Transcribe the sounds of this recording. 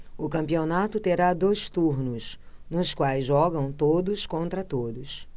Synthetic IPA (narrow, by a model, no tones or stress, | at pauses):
ʊkɐ̃mpionat̪ʊt̪eɾad̪ojst̪uɾnʊsnʊskwajzʒɔɡɐ̃w̃t̪od̪ʊskõnt̪ɾɐt̪od̪ʊs